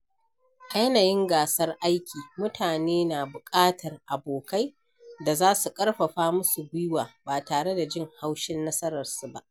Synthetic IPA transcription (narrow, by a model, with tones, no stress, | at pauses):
ʔa˨jɐ˦naː˨jɪ˦ŋɡaː˨sɐ˦rʔa˦jkʲiː˨mʊ˦tʰaː˨neː˦naː˨bʊ˨kʼaː˦tʰɐ˨rʔa˨boː˨ka˦j | da˨zaː˦su˨kʼɐ˦ɽɸɐ˨ɸaː˦mʊ˦su˨ɡʷʊ˦jwaː˨baː˨taː˨ɽe˦da˨d͡ʒɪ˦˨ŋha˦wʃɪ˦nːɐ˦sɐ˦ɾɐ˨rsu˨ba˦ʔ